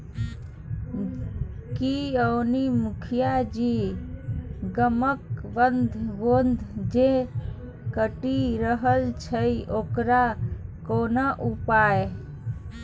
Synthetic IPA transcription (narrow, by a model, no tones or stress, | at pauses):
kiəwnimukʰijad͡ʒi | ɡəməkbənd̪ʱbond̪ʱd͡ʒe | kəʈiɾəɦəlt͡ʃʰəiokɾakonaʔupae